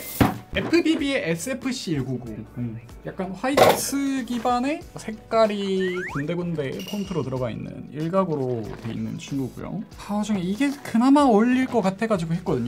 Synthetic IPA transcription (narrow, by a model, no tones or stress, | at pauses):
epʰɯbibieʔesʰɯepʰɯɕ͈iːɭɡuɡo | jak̚k͈anɸwaisʰɯɡibane̞sʰe̞k̚k͈aɾikande̞ɡonɯnde̞pʰontʰɯɾotɯɾʌɡaḭnːɯ̰niɭɡaɡɯɾotwe̞ḭnːɯ̰nt͡ɕʰinɡuɡṵjʌ̰ŋpaʌd͡ʑʌŋeiɡe̞kɯnamaoʎːiɭk͈ʌk͈atʰe̞ɡad͡ʑiɡoɦet̚k͈ʌdɯɲo